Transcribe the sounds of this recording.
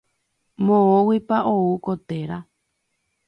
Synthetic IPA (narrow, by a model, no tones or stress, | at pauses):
mõowipaoukot̪e̞ɾa